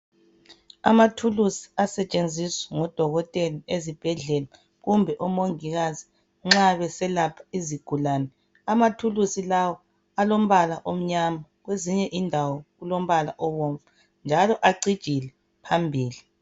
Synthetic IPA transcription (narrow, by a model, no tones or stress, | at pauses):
a̰matʰulusi̥asɛt͡ʃʼend͡zʱiswɛ̥ŋɔd̥ʱɔɣɔtʼɛliezib̥ʱɛɮɛla | ɣumbʱɛʔɔmoŋiɣazi | ŋ͡ǁaβɛsɛlapʰḁiziɡ̥ʱulaːnɛ | amatʰulusilawɔ | alom̩βalaʔom̩ɲamaɣweziɲɛʔindʱawɔɣulom̩βala̰ʔɔwɔɱfa | nd͡ʒʱalɔʔaɡ͡ǀid̥ʒ̥ʱilɛ | pʰambʱiːli